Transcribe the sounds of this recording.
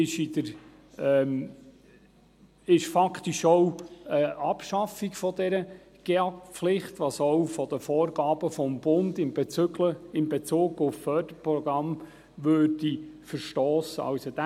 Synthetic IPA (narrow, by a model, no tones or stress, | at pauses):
ɪʃid̪əɾ | ɪʃfɑkχt̪iʃɔwəʔɑpʃɑfikfɔd̪ɛɾə | ɡ̥eɑflɪχt̪ʋɑsɔwfɔd̥̪əfɔːɾɡɑːb̥əfɔmbʊnd̪ɪnbləɪnbɛt͡suːɡʊffœːd̥əɾpɾɔɡ̥ɾɑm | ʋøːd̥ifəɾʃtɔːsəɑ̰wsɔd̥̪æ